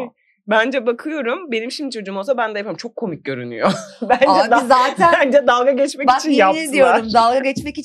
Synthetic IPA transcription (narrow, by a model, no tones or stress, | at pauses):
bænd͡ʒɛbakʰɯjo̞ɾumbe̞nimʃimd̪it͡ʃʰo̞d͡ʒuːmolˠsabænd̪ɛjapʰaɾimt͡ʃʰo̞kʰːo̞mic̚ɟø̞ɾy̰ny̰jobænd͡ʒɛd̪aːt̪ʰænd͡ʒɛd̪alˠɡaɟɛt͡ʃmɛit͡ʃʰinjad̪ijoaumd̪alˠɡaɡɛt͡ʃmɛki